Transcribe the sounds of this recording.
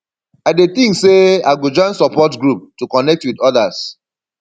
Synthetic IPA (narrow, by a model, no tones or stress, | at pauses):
aɪdet̪ɪ̃ŋkseaɡud͡ʒãnsɔpɔtɡɹup̚tukɔnɛk̚twidɔðas